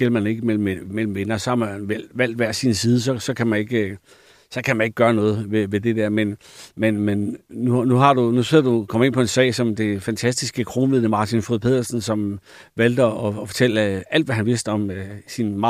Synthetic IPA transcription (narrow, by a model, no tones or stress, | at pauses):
ɡ̥el̰ɐmæne̝ɡ̥əmel̰m̩mel̰m̩ʋenɐsɒ̽hɑ̈mænʋel̰ʋæl̰d̥ʋæɐsinsiːð̞ˠəs̬ɒ̽sɒ̽kʰæmæne̝ɡ̥ə | sɒ̽kʰæmæne̝ɡ̥ə̥ɡ̥ɶːɐnɔ̽ːð̞̩ˠʋeʋe̝d̥e̝d̥eɐ̰menmenmenunuɦɑ̈d̥unuse̝ð̰ɐd̥ukʰɒ̽m̰e̝n̰pʰɒ̽e̝nsɛ̰ɪsɒ̽md̥e̝fænt͡sʰæsd̥isɡ̥əkʰʁo̝ːnʋið̰ˠəmɑ̈ːt͡sʰinfʁuð̩̰ˠpʰe̝ð̰ˠɐsn̩sɒ̽m | ʋæl̰d̥əɒ̽fɒ̽t͡sʰel̰əæl̰̥ʋæɦænʋe̝sd̥əɒ̽msinmɑ̈ː